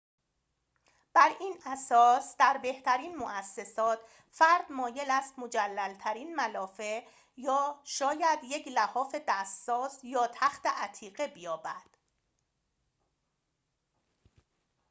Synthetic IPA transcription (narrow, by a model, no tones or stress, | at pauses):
b̥æɾiːnæsɒːsd̪̥æɾbe̞ht̪ʰæɾiːnmoʔæsːe̞sɒːt̪ʰ | fæɾd̪mɒːje̞læst̪mod͡ʒælːælt̪ʰæɾiːnmælɒːfe | jɒːʃɒːjæd̪je̞cʰlæhɒːfe̞d̪æsːɒːsjɒːt̪ʰæxt̪eʔæt̪ʰiːɣe̞bijɒːbæd̪̥